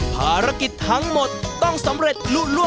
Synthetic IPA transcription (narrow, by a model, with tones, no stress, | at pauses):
pʰaː˨˧˩ɾa˦˥ki˨˩t̪ʰːa˦˥ŋmo˨˩t̪̚ːɔ˥˩ŋsa˨˦mɾe˨˩t̪̚luː˦˥lu˥˩ə